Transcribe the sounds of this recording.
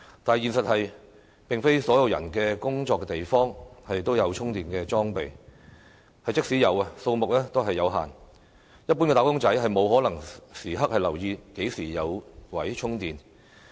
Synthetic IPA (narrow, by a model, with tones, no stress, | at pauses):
t̪aː˨jiː˨nsɐ˨t̚hɐ˨j | pɪ˨ŋfe˥jsɔː˨˥jɐ˨˧wjɐ̰˨˩nkɛ˧kʊ˥ŋt͡ʃɔː˧kːɛ˧t̪e˨jfɔː˥ŋhɐ˨jt̪o˥wjɐ˨˧wt͡ʃʰʊ˥ŋt̪iː˨nkɛː˧t͡ʃɔː˥ŋpe˨j | hɐ˨jt͡sɪ˥k̚siː˨˥jɐ˨˧wɐ˧so˧wmʊ˨k̚lɛː˥t̪o˥wɦɐ˨jːɐ˨˧wɦa̰ː˨n | jɐ˥t̚p̬ːu˥nkɛ˧t̪aː˨˥kʊ˥ŋt͡sɐ˨˥jɦɐ˨jmo˨˧whɔː˨˥lɐ˨˩ŋsiː˨˩ɦɐ˥k̚hɐ˨jlɐ˨˩wjiː˧ke˨˥jsiː˨˩jɐ˨˧wwɐ˨˥jt͡ʃʰʊ˥ŋt̪iː˨˩n